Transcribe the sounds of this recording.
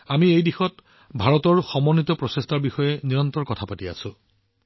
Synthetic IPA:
amiejdixɔt | bʱaɹɔtɔɹxɔmɔnːitɔpɹɔsestʰaɹbixɔjɛniɹɔntɹɔɹkɔtʰapatia̰sʊ̃

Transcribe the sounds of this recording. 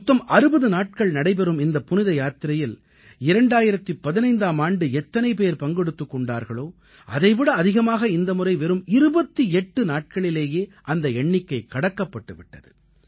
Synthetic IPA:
mt̪ːɐmʔɐɾɯbɐðɯnaːʈ̚kɐɭnɐɽɐɪpɛɾɯmɪnd̪ɐpːʊnɪðɐjaːt̪ɪɾɐjɪl | ɪɾɐɳɖaːjɪɾɐt̪ːɯpːɐðɪnɐɪnd̪aːmaːɳɖɯɛt̪ːɐnɐɪpeːɾpɐŋɡɛɽɯt̪ːɯkːɔɳɖa̰ːɾɣɐɭoː | ʔɐðɐɪʋɪɽɐːðɪɣɐmaːɣɐɪnd̪ɐmɯrɐɪʋɛɾɯmɪɾɯbɐt̪ːiɛʈːɯnaːʈ̚kɐɭɪleːjeːʔɐnd̪ɐɛɳːɪkːɐɪkːɐɽɐkːɐpːɐʈːɯʋɪʈːɐðɯ̰

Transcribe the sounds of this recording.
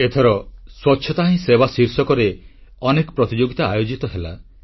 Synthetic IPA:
et̪ʰɔɾɔswɔtːʃʰjɔt̪aɦĩsebasiɾsɔkɔɾeɔnekɔpɾɔt̪id͡ʒoɡit̪aːjod͡ʒit̪ɔɦela̰

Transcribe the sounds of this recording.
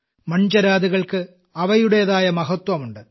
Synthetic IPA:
mɐɲd͡ʑɐɾaːd̪iɣɐɭkɨ | ɐʋɐjuɽejɐðaːjɐmɐɦɐt̪wɐmuɳɖɨ

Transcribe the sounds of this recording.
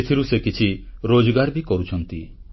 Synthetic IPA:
et̪ʰiɾusekit͡ʃʰiɾod͡ʒɔɡaɾbikɔɾut͡ʃʰɔnt̪i

